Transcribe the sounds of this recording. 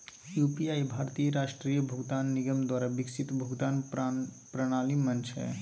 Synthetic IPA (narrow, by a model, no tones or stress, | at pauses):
jupiajbʱaɾt̪ijəɾaʃʈɾijəbʱuɡd̪anːiɡəmd̪waːɾabiksit̪bʱuɡd̪an | pɾəɽ̃alimənt͡ʃʰɦɛ̰